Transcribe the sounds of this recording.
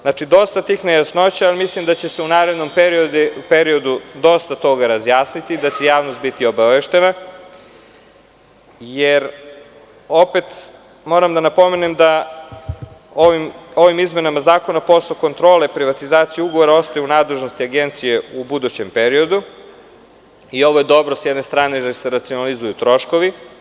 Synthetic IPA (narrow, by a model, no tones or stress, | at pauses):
znat͡ʃid̪o̞st̪at̪ixnejasno̞t͡ɕaalimislimd̪at͡ɕe̞seunaːɾe̞d̪no̞mpeɾiod̪pe̞ɾio̞d̪ud̪o̞st̪at̪o̞ɡaɾazjaːsnit̪id̪at͡ɕejaːʋnost̪̚bit̪io̞baʋe̞ʃt̪e̞na | jeɾ | o̞pe̞t̪ | mo̞ːɾamd̪anapo̞me̞nemd̪a | oʋimo̞ʋimizme̞namazaːko̞napo̞soko̞nt̪ɾo̞ːle̞pɾiʋat̪izaːt̪sijuuɡoʋo̞ɾao̞st̪ajuunaːd̪le̞ʒno̞st̪iaɡe̞nt̪sije̞ubud̪ut͡ɕe̞mpeɾio̞d̪u | io̞ʋo̞jed̪o̞bɾosjed̪ne̞st̪ɾaːneɾeɾseɾat̪sionalizujut̪ɾo̞ʃko̞ʋi